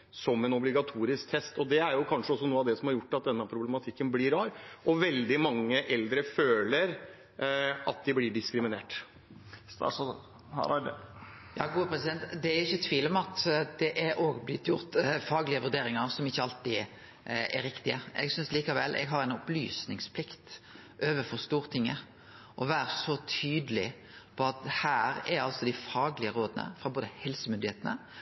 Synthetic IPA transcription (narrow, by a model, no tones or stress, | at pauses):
sɔmɛnɔblɪɡɑt̪ʰuːɾɪsk̚t̪ʰɛst̪ɔd̪ɛæɾjʊkʰɑnʂəɔsːɔnuːəɑʋd̪ɛsɔmhɑɾjʊʈːɑt̪̚d̪ɛnːəpʰɾʊblɛmɑt̪ʰɪkːənblɪɾɑːɾʔɔʋɛld̪ɪmɑŋːəʔɛld̪ɾəføːləɾ | ɑ̰t̪̚d̪ɪblɪɖɪskɾɪmɪneːʈ | h | jɑ̰ːɡuːəpʰɾɛsɪd̪ɛnt̪d̪ɛæɾʊɪçːət̪ʰʋiːlɔmɑt̪d̪ɛʔæʔoːɡblɪt̪ːjʊɾt̪fɑːɡlɪəʋʉʁd̪eːɾɪŋəɾsɔmɪçːəɑlt̪ɪ | æɾɪkt̪ɪəɛ̰ɡsʏnsliːkɑʋɛlʔɛ̰ɡɦɑɾæɪnʊply̰ːsnɪŋspʰlɪkt̪ | ʔøːʋəfɔʁst̪uːʁt̪ʰɪŋːə | ʔɔʋæːɾəsɔt̪ʰyːd̪əlɪ̰ | pʰɔɑt̪hæːɾɛɾɑlsɔd̪æɪfɑːɡlɪəɾoːd̪ənə̰fʁɑboːd̪əhɛlsəmʏnd̪ɪeːt̪ənə̰